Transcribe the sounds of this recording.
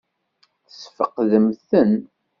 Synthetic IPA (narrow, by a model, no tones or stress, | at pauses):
θə̥sfəqðəmθən